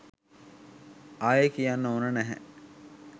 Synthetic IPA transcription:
ʔajekijanːəunənæɦɛ̰

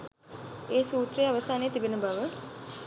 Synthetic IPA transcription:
eːsuːt̪ɾejaʋəsaːnejːt̪ibenəbaʋə

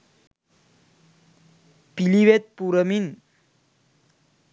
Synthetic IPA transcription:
piliʋet̪̚puɾəmin

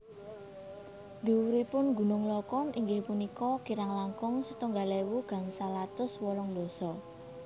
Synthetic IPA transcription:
d̪̥ṳwuɾipʊnɡṳnʊŋlɔkɔnʔiŋɡɪhpunikɔkiɾaŋlaŋkʊŋsət̪uŋɡalewuɡ̥a̤ŋsalat̪ʊswɔlɔŋd̪ɔ̤sɔ

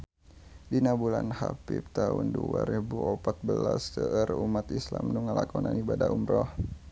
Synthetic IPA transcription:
dinabulanhapip̚t̪aʊnduaɾibuopat̪̚bəlasd̪əʔərumat̪islamnuŋəlakɔnanibadaʔumɾɔh

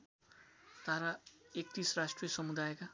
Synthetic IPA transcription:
t̪aɾaek̚t̪iːsɾasʈɾijʌsʌmud̪ajeka

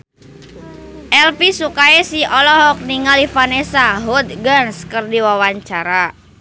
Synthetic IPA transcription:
ʔɛlpisukaesiɔlɔɦɔk̚niŋalifanesaɦud̪̚ɡanskərdiwawaɲt͡ʃaɾa

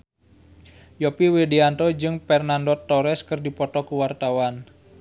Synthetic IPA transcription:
jɔpiwedeant̪ɔd͡ʒɨŋpɛrnandɔt̪ːɔɾɛskɨrdipɔt̪ɔkuwart̪awan

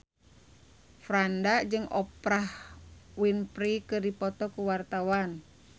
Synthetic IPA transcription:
fɾandad͡ʒɨŋɔpɾahwinpɾikɨrdipɔt̪ɔkuwart̪awan

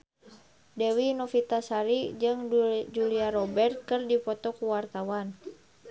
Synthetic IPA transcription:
dɛwinɔfit̪asaɾid͡ʒɨŋd͡ʒuliaɾɔbɛrt̪̚kɨrdipɔt̪ɔkuwart̪awan

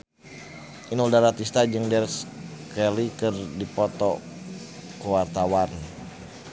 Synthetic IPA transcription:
ʔinuldaɾat̪ist̪ad͡ʒɨŋdɛrskɛlikɨrdipɔt̪ɔ | kəwart̪awan

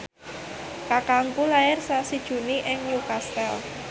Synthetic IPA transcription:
kakaŋpulaɪrsasid̥ʒ̥ṳniʔɪŋɲukast̪ɛl

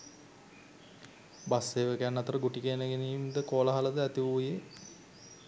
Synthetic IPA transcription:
basːeːʋəkænːat̪əɾəɡuʈikeːnəɡeniːmd̪əkoːləɦaləd̪əæt̪iʋuːje

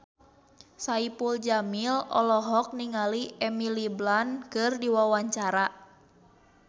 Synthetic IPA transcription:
saipuld͡ʒamilɔ̰lɔɦɔk̚niŋaliʔɛmiliblankɨrdiwawaɲt͡ʃaɾa

